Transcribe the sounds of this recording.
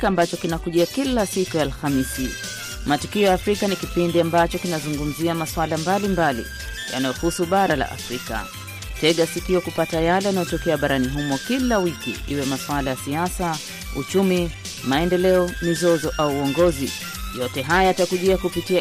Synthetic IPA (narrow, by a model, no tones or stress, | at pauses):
kaːmbat͡ʃɔkinakuʄiakilasikujaːlxamisi | matukiɔjaːfɾikanikipindiambat͡ʃɔkinazuŋɡum̩ziamaswalambalimbalḭ | ja̰najɔhusuɓaɾala̰ʔa̰fɾika̰ | tɛɠasikiɔkupatajalɛanajɔtɔkɛaɓaɾaniɦumɔkilawikḭʔiwɛmaswalajasiasa | ṵt͡ʃumi | maɛndɛlɛɔmizɔzɔʔauːɔŋɡɔzḭ | jɔtɛɦajaatakuʄiakupitia